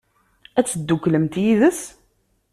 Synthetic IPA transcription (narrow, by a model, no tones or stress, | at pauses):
æt͡sːəd̪ːukːləmt̪jiðəs